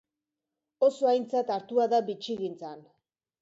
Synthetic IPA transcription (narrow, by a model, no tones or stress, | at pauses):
o̞so̞ajnt͡sat̪aɾt̪uaðabit͡ʃiɣint͡san